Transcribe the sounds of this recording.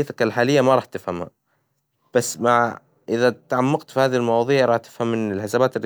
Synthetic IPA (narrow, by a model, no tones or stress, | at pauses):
t̪akɪlħaːlɪjːamaɑɾˤɑːħt̪ɪfhamha̰ | b̥asːmaʕ | ʔɪðat̪aʕamːɑɡt̪fihaːðilmɑwɑːðˤiːʕɾˤɑːħt̪ɪ̥fhamːɪnɪlħɪsabaːt̪ɪr